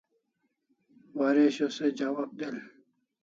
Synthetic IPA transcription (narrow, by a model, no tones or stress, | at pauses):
waːɾeɕosed͡ʑaːwab̚d̪el